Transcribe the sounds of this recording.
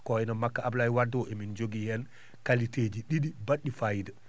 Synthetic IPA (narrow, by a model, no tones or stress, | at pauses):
kɔɛnamakːaʔablajwadɔʔɛmind͡ʒoɡijɛn | kalited͡ʒiɗiɗibaɗːifajda